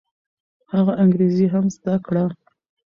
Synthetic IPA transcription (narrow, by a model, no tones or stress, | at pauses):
haɣaʔaŋɡɾeziɦamzd̪akɽa